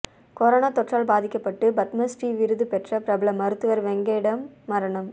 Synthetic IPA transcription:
kɔɾoːnaːt̪ɔʈraːlbaːðɪkːɐpːɐʈːɯbɐt̪mɐsʈiʋɪɾɯðɯpɛʈrɐpɾɐbɐlɐmɐɾɯt̪ːɯʋɐɾʋɛŋɡeːɽɐmːɐɾɐɳɐm

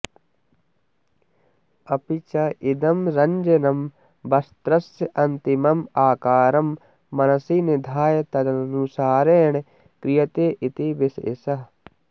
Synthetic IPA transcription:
ɐpit͡ʃɐʔid̪ɐmɾɐɲd͡ʒɐnɐm | bɐst̪ɾɐsʔɐnt̪imɐmaːkaːɾɐmː | ɐnɐsinɪd̪ʱaːjɐt̪ɐd̪ɐɐnusaːɾeːɳ̃ | kɾijɐt̪eːʔit̪ibisḛsɐɦ

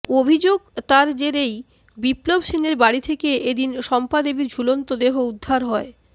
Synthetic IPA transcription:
obʱid͡ʑoɡt̪aɾd͡ʑeɾej | biplobʃineɾbaɽit̪ʰekeed̪inʃɔmpad̪ebid͡ʑʱulont̪od̪eɦoud̪ʱːaɾɦɔe

